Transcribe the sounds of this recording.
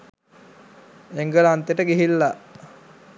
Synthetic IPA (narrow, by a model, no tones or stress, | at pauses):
eŋɡəlant̪eʈəɡiɦilːa